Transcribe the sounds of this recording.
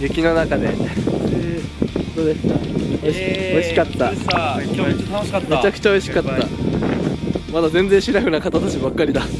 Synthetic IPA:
jɯ̟kʲino̞nakad̪e̞̰ | hhõt̪od̪e̞sɨ̥oɕo̞iɕikat̪ːa | met͡ɕakɯ̟̥t͡ɕao̞iɕi̥katt̪ːa | mad̪azẽnd͡zẽɕiɾakɯ̟nakat̪at̪at͡ɕibakːaɾʲid̪a

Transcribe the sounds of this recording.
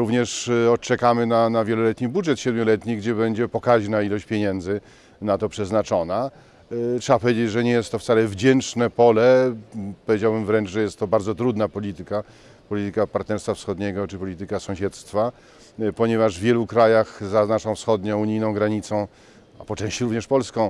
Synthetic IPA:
ɾuvɲɛʂɔtt͡ʂɛkamɘnanavʲjɛlɔlɛt̪ɲibudʐɛt̪ɕɛd̪mʲɔlɛt̪ɲiɡd͡ʑɛbɛɲd͡ʑɛpɔkaʑnailɔɕt͡ɕpʲjeɲɛnd̪zɘ | nat̪ɔpʂɛznat͡ʂɔna | tʂɛbapɔvʲjed͡ʑed͡ʑʐɛɲɛjɛst̪ːɔft̪salɛvd͡ʑɛnt͡ʂnɛpɔlɛpɔvʲjed͡ʑawbɘmvɾɛnʐʐɛjɛst̪ːɔbaɾd̪zɔt̪ɾud̪napɔlʲit̪ɘka | pɔlʲit̪ɘkapaɾt̪nɛɾst̪fafsxɔd̪ɲɛɡɔt͡ʂɘpɔlʲit̪ɘkasɔ̃w̃ɕɛt̪st̪fa | pɔɲɛvaʐvvʲjɛlukɾajaxzaznaʂɔ̃w̃fsxɔd̪ɲɔ̃w̃uɲijnɔ̃w̃ɡɾaɲit̪sɔ̃w̃ | apɔt͡ʂɛ̃ɕt͡ɕiɾuvɲɛʂpɔlskɔ̃w̃

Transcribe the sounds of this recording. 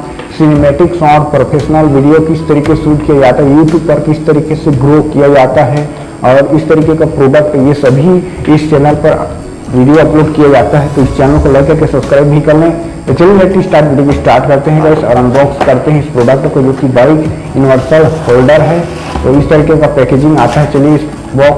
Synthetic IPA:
sɪnemɛːʈɪksɔːɾpɾoːpʰeːʃnəlʋiɖijokiɪst̪ɐɾiːkesuːʈkijad͡ʒaːt̪aɦɛjuːʈjuːb̚pɐɾkɪst̪ɐɾiːkeseɡɾoːkijad͡ʒaːt̪aɦɛ | ɔːɾɪst̪ɐɾiːkekapɾoːɖək̚ʈjesɐbʱi | ɪst͡ʃɛːnəlpɐɾ | ʋiɖijoɐploːɖkijad͡ʒaːt̪aɦɛt̪oɪst͡ʃɛːnəlokolɐɡkɐɾkesɐpskɾaːɪbʱikɐɾne | ot͡ʃɐlelɛʈisʈaːɾʈʋiːɖijomisʈaːɾʈkɐɾt̪eɦɛ̃ɡaɪsɔ̰ɾə̃nbɔːkskɐɾt̪eɦɛ̃ɪspɾoːɖək̚ʈõkod͡ʒoːkibaɪk | juːnɪʋəɾsəlhoːlɖəɾɦɛ | t̪oɪst̪ɐɾiːkekapɛːkeːd͡ʒɪ̃ŋɡaːt̪aɦɛt͡ʃɐlieɪs | bɔːk

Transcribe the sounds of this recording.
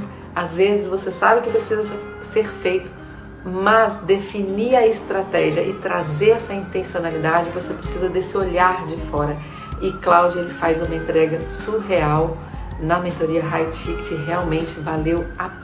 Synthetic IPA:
azvezɪzvosesabɪkɪpɾesizɐ | seɾfejt̪ʊ̥ | mɐzd̪efiniɐɪst̪ɾat̪ɛʒiɐʔɪt̪ɾazeɾɛsɐĩnt̪ẽsionalid̪ad͡ʒɪkvosepɾesizɐd̪esɪoʎaɾd͡ʒɪfɔɾɐ | ɪklawd͡ʒʊelɪfajzũmɐẽnt̪ɾɛɡɐsuɦeaw | nɐmet̪eoɾiɐɦajt͡ʃikt͡ʃɪɦeawmẽnt͡ʃɪvalewa

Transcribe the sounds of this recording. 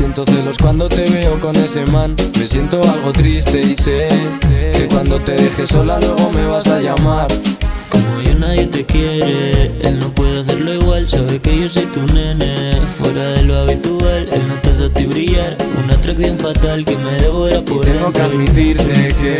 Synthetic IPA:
jent̪o̞θelo̞skwand̪o̞t̪e̞βe̞oko̞nd̪es̬e̞mãnme̞sje̞nt̪o̞alɣ̞o̞t̪ɾist̪e̞isekekwand̪o̞t̪e̞ðe̞xe̞solaloɣome̞β̞asaʝamaɾko̞mo̞ʝo̞nað̞je̞t̪e̞kje̞ɾeḛlno̞pwe̞ðeaθe̞ɾlo̞iɣwalsaβe̞keʝo̞s̬ejt̪unenefwe̞ɾaðe̞loaβ̞it̪uale̞̰lnot̪eðot̪iβɾiʝaɾṵnaːt̪ɾakθjo̞ɱfat̪alkemeðe̞βoβeɾapoβɾeeŋɡokamit̪iɾt̪eke

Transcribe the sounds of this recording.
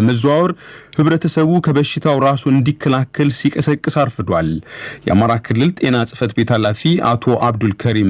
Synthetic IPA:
məzawɾhɨβɾət̪ʰəsəβukʰəβəʃːɪt̪ʰawɾasuɨnd̪ikʰːəlakʰːəlsikʼəsəkʼːɨsaɾfɨd̪waljɛ̰a̰maɾakʰɨlːɨlt̪ʼe̞nasʼɨfət̪be̞t̪ʰalafia̰t̪ʰo̞ʔaβd̪ulkʰəɾim

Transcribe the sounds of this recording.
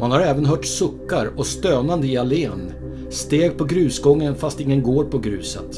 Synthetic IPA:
manhaɾɛːvənɦœːʈsɵkːaɾɔst̪øːnand̪əɪaleːn | st̪eːɡ̚pʰɔɡɾʉ̟ːsɡɔŋːənfast̪ɪŋːənɡoːɾpʰɔɡɾʉ̟̰ːsə̰t̪

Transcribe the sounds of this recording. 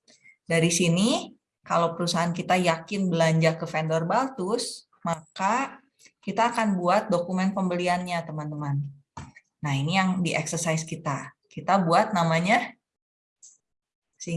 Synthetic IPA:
daɾisini | kalawpəɾusaɦankit̪ajakɪnbəlaɲd͡ʒakəfɛndɔrbalt̪ʊs | maka | kit̪aːkanbuat̪̚dokumɛnpəmbəlianɲat̪əmant̪əmanː | ahinijaŋdiʔɛksərsajskit̪a | kit̪abuat̪̚namaɲa | si

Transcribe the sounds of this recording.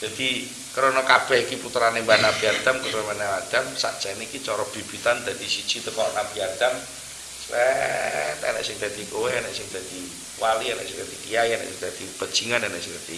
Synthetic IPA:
d͡ʒ̥ad̪i | kəɾonɔkab̥ɛikiput̪ɾanembanab̥iad̪amkut̪ɛmanawad̪̥amsa̰ʔd̥d͡ʒ̥anikit͡ʃɔɾɔb̥ib̥it̪and̪ad̪isi̥t͡ʃit̪əkɔʔnab̥iad̪̥am | slɛt̪ɛ̰na̰ʔsɪŋd̪a̤d̪ikowɛɦɛnaʔsɪŋd̪ad̪̥i | waliɛna̰ʔsɪŋd̥̪ad̪̥ikijajana̰ʔsɪŋd̪̥ad̪̥ipə̥d͡ʒ̥iŋananaʔsɪŋd̪at̪ḭ

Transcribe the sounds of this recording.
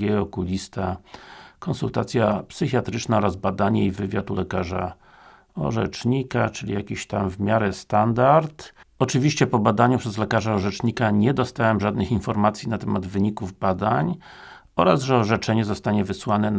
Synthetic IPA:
ɛɔkulʲist̪a | kɔnsult̪at̪sʲjapsɘxʲjat̪ɾɘt͡ʂnaɔɾazbad̪aɲɛivɘvʲjat̪ulɛkaʐa̰ | ɔ̰ʐɛ̰t͡ʂɲikat͡ʂɘlʲḭjakʲiɕt̪amvmʲjaɾɛst̪and̪aɾt̪ɔt͡ʂɘvʲiɕt͡ɕɛpɔbad̪aɲupʂɛzlɛkaʐaɔʐɛt͡ʂɲikaɲɛd̪ɔst̪awɛmʐad̪nɘxinfɔɾmat̪sʲjinat̪ɛmad̪vɘɲikuvbad̪aɲ | ɔɾazʐɛɔʐɛt͡ʂɛɲɛzɔst̪aɲɛvɘswanɛ

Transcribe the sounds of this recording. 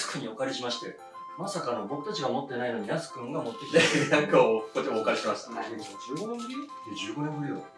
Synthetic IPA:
sɨ̥kɯ̟ɲ̟io̞kaɾʲiɕimaɕi̥t̪e̞ | masakanoobo̞kɯ̟t̪at͡ɕiɡaomo̞t̪ːe̞naino̞mʲinasɨ̥kɯ̟̃ŋɡamo̞t̪ːe̞kʲi̥t̪enãŋkaokot̪emoːkaɾʲiɕimaɕi̥t̪aod͡ʑɨːɡoõɾʲi | ed͡ʑɨːɡo̞nẽmɸɯ̟ɾʲi

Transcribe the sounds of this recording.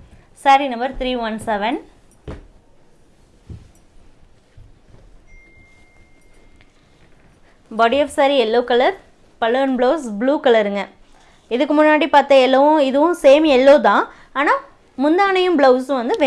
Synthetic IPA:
saːɾinɐmbɐɾt̪ɾiːʋɐnsɛʋɛn | bɔːɽiɔfsaɾiɛlːoːkɐlɐɾ | pɐlːɯɐnbɭoːsbɭuːkɐlɐɾɯŋɡɐ | ɪðɯkːɯmʊnːaːɽipaːɾt̪ɐ̃ɛlːoʊ̃ɪðɯʋʊ̃seːmɛlːoːt̪ãː | aːnaː | mʊnd̪aːnɐjɯ̃mbɭoʊsɯ̃ʋɐnd̪ɯʋe

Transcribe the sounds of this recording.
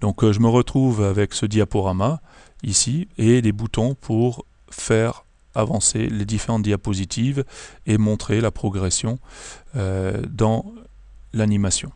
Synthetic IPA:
d̪ɔ̃kʒəməʁət̪χuvavɛksəd̪japɔʁama | isied̪ebut̪ɔ̃pʰuʁ | fɛʁ | avɑ̃sḛled̪ifeʁɑ̃t̪̚d̪japozit̪ʰivemɔ̃t̪χelapχɔɡʁesjɔ̃ød̪ɑ̃ | lanimasjɔ̃

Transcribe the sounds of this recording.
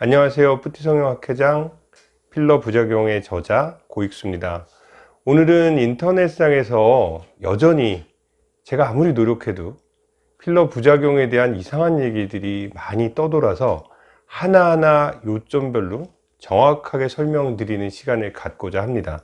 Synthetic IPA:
aɲiŋas̬ʰe̞jopʰutʰisʰʌŋɲʌŋɦakʰe̞d͡ʑaŋ | pʰiɭːʌpud͡ʑaɡjoŋe̞t͡ɕʌd͡ʑakoik̚s͈umɲida | onɯɾɯnintʰʌne̞s͈aŋe̞sʰʌjʌ̰d͡ʑʌɲi | t͡ɕe̞ɡaːmuɾinoɾjokʰe̞do | pʰiɭːʌpud͡ʑaɡjoŋe̞de̞ɦanisʰaŋɦanje̞ɡidɯɾimaɲit͈ʌdʌɾasʰʌ | hanaɦanajot͡ɕ͈ʌmbjʌɭːo | t͡ɕʌŋakʰaɡe̞sʰʌɭmjʌŋdɯɾinɯnɕʰiɡanɯɭkat̚k͈od͡ʑaɦamɲida̰

